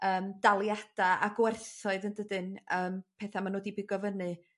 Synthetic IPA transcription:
əːmd̥alˠjad̥aa̰ɡwɛrθɔɨðəndədɨnəːmpʰɛθamanoːdibɪɡɔvənɨ

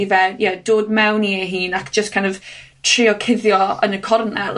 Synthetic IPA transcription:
vɛjɛdoːd̚mɛwnieɦiːnakd͡ʒ̥əstkʰãj̃nɔv̥ | tʰrɪɔkʰɪðjɔə̰nəkʰɔrnɛl

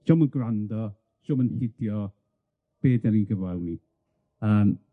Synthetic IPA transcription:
d͡ʒ̥ɔmənɡrandɔ | d͡ʒɔmənhɪdjɔ | b̥eːdaninɡəvalni | ən

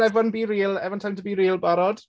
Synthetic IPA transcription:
ɛvɔnbiːɾiːlˠɛvɔntʰajntʰəbiːɾiːlˠbaɾɔd̥

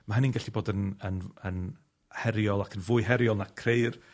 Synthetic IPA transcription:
maɦəninɡɛɬiboːdənənən | hɛɾjɔlˠakʰənvʊɨɦɛɾjɔlˠnakʰrejr

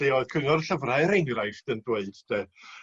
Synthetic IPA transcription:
eɔð̥kʰəŋɔrɬəvraɾejŋrajfdəndweɨd̥d̥ɛ

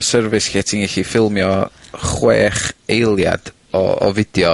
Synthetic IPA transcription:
sərvɨskɛtʰiniɬifɪlˠmjɔχwḛːχejlˠja̰d̥ | ɔ̰ɔ̰vɪd̥jɔ

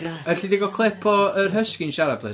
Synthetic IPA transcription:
əɬidɪɡɔkʰlˠɛpʰɔərɦəskɪnʃaɾablˠɨ̰

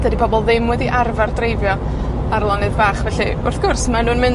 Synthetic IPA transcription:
d̥ədipʰɔbɔlˠðɪmwɛðiʔarvardrejvjɔ | arlˠɔnɨðbaːχvɛɬi | ʊrθɡ̥ʊrsmanuːnmɨn

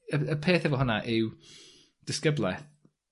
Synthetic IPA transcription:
əəpʰeːθɛvɔɦʊnaʔɪw | d̥ɪskəblˠɛ

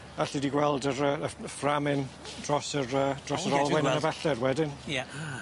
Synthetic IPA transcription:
aɬidiɡwɛlˠdəɾəəframɪn | d̥rɔsəɾəd̥rɔsəɾɔlˠwwɛnənəvɛɬɛrwɛdɪnja

